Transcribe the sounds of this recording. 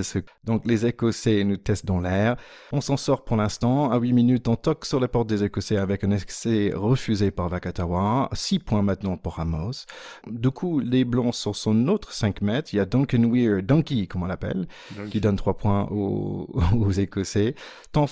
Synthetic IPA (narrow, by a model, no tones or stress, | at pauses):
ɛsəd̪ɔ̃klezekɔsenut̪ɛst̪̚d̪ɑ̃lɛːʁ | ɔ̃sɑ̃sɔʁpuʁlɛ̃st̪ɑ̃awiminyt̪ɔ̃t̪ɔksyʁlepɔʁt̪̚d̪ezekɔseavɛkɛ̃nɛkseʁəfyzepaʁvakat̪aʁwasipwɛ̃mɛ̃t̪nɑ̃paʁamɔsd̪ykʰuleblɑ̃sɔsɔ̃not̪χəsɛ̃kmɛt̪χiljad̪ɑ̃kənwiʁd̪ɑ̃kʲikɔmɑ̃lapɛ̰l | kʲid̪ɔnt̪χwapwɛ̃o̰ | ozekɔse | t̪ɑ̃